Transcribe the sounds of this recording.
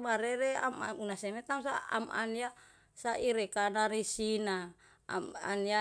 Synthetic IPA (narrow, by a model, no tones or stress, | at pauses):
baɾeɾea̰maunasemet̪aŋsaa̰ma̰nia | saʔiɾekanaɾisina̰ | ma̰nia